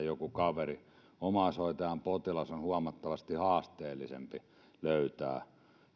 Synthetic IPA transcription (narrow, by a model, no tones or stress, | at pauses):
jokukɑʋeri | omɑsoˑit̪ɑjɑmpot̪ilɑsonhuɑmɑt̪ːɑʋɑst̪ihɑːst̪eːlːisḛmpi | løyt̪æ̰ː